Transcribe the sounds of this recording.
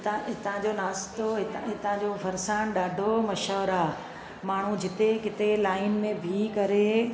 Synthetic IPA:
t̪ɦɪt̪ãd͡ʑonaːst̪oɦɪt̪ɦɪt̪ãd͡ʑofʰɐɾsaːnɗaːɖʱomɐʃɔːɾaː | maːɳ̤ud͡ʑɪt̪ekɪt̪elaːɪnmẽbʱikɐɾe

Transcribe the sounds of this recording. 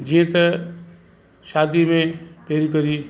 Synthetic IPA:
d͡ʒĩːẽt̪ɐ | ʃaːd̪imẽpeːɾipɐɾiː

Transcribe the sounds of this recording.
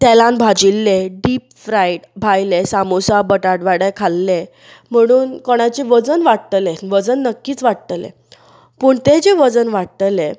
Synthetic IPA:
t̪ɛlãnbʱad͡ʑilːeɖiːpfɾaiʈbʱajlesamosabəʈaʈʋaɽəkʰalːe | m̤əɽ̃uːnkɔɽ̃at͡ɕeʋəd͡zənʋaɽt̪leʋəd͡zənːəkːiːt͡sʋaɽt̪əlḛ | puːɳt̪ed͡ʑeʋəd͡zənʋaɽt̪əle

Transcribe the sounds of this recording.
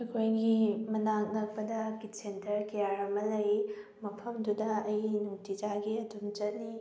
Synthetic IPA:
ɐkʰojɡimɐnaŋnɐk̚pɐdɐkitsentɐɾkijaɾɐmɐlɐjmɐpʰɐmdudɐːjnutid͡ʒaɡiɐtumt͡ʃɐt̚ni

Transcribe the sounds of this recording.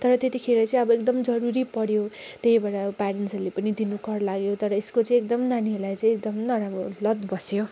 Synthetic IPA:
t̪ʌɾʌt̪et̪ikʰeɾet͡sʌĩʌbʌekd̪ʌmd͡zʌɾuɾipʌɽjo | t̪eɦibaɽapaɾensʌlepʌnid̪inukʌrlaɡjot̪ʌɾʌeskot͡sʌĩek̚d̪ʌmnaniɦelajt͡sʌ̃ĩek̚d̪ʌmnʌɾamɾolʌd̪bʌsjo

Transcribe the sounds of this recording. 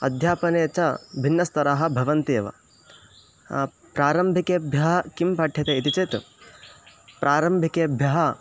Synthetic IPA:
ɐ̰d̪ʱjaːpɐneːt͡ʃɐbʱinːɐst̪ɐɾaɦɐ̆bʱɐʋɐnt̪eːʋɐ̰ | pɾaːɾɐmbʱikeːbʱjɐɦɐkimpɐʈʰjɐt̪eit̪it͡ʃet̪ | pɾʔaːɾɐmbʱikeːbʱjɐɦɐ

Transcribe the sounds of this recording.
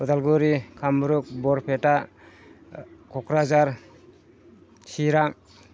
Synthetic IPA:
ɔd̪alɡuɾikʰambɾuk̚bɔɾpʰeta | kʰɔkɾazaɾ | siɾaŋ

